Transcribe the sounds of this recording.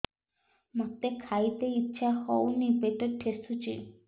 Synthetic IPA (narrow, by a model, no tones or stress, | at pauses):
mot̪ːekʰajt̪eitːʃʰahɔwnipeʈoʈʰːesut͡ʃḭ